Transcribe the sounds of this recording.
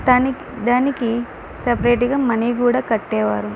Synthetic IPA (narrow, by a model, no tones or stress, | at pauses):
d̪aːniki | sɐpɐɾeːʈiɡaːmɐnikuːɽaːkɐʈːɛːʋa̰ːɾu